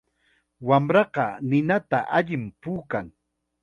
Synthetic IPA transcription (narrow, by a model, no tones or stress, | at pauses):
wamɾɑɢɑnɪnat̪aʔaʎɪmpuːkaŋ